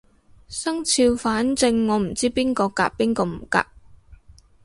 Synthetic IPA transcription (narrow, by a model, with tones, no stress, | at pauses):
sɐ˥ŋt͡sʰiː˧wfaː˨˥nt͡sɪ˧ŋːɔː˨˧m̩˨˩t͡siː˥piː˥nkɔː˧ka̰ː˧k̚piː˥nkɔː˧m̩˨˩ka̰ː˧k̚